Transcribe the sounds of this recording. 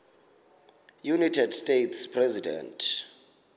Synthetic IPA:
junatʰɛdstʼetʰspʰrɛzidɛ̰ntʰ

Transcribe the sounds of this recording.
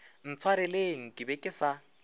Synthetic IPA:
n̩t͡sʰwaɾɪleŋ̩kʼɪbɛkʼɪsa

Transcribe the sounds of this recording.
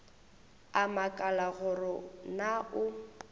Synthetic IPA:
amakʼalaɣʊrɪnaʔʊ

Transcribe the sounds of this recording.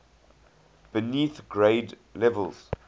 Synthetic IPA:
b̥ɪniθɡɹeɪd | lɛvə̰lz̥

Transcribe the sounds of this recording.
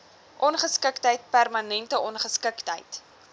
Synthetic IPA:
ʔɔnχəskəktəjt̚pærmɐnɛntəʔɔnχəskəktə̰jt

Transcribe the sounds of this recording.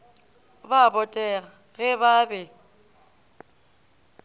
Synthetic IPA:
babɔtʼɛɣa | ɣɛβabɛ

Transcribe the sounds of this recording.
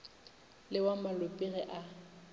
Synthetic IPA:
lɪwamalʊpʼiɣɛʔa

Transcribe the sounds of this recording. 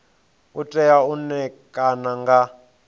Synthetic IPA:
utʼɛjaunɛkʼanaŋɡa

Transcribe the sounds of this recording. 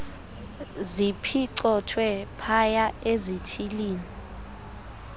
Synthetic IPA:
zipʰiǀɔtʰwɛpʰajaezitʰiliːni

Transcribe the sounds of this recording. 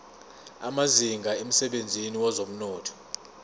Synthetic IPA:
a̰maziŋɡʱaem̩sɛɓend͡zʱiniwazom̩nɔːtʰɔ̥

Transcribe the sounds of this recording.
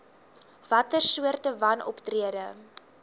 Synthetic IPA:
v̥ɐtərsuərtəvɐnɔ̰ptriədə

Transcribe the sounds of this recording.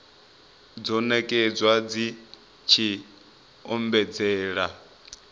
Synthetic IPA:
d͡zɔnɛkʼɛd͡zwad͡zi | t͡ʃʰi | ɔmbɛd͡zɛːɺa

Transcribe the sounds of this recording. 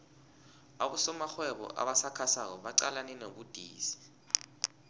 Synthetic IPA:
aɓusɔmaxwɛɓɔ̰ʔa̰ɓasakʰasak̬ɔɓaǀalanɛnoɓud̥ʱiːsi̥

